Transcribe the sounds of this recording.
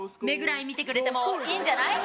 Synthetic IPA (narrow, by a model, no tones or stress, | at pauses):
me̞ɡɯ̟ɾaimʲit̪e̞kɯɾe̞t̪e̞mokʲĩɲd͡ʑanai